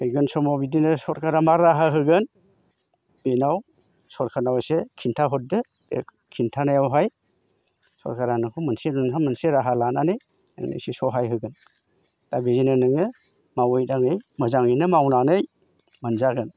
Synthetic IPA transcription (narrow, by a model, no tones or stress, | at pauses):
ɯjɡɯnsɔmawbidinɯsɔɾkʰaɾamaɾaɦaɦɯɡɯn | b̥enaw | sɔɾkʰanawsekʰintʰaɦɔt̚dɯ | e | kʰintʰanajawɦaj | sɔ̰ɾkʰaɾanɯkʰumɯnsennamɯnseɾaɦalananɯj | na̰ŋnḛsesɔɦajɦɯɡɯn | tabizinɯnɯŋɯ | mawɯjdaŋɯjmɐzaŋɯjnɯmawnanɯj | manzaɡɯn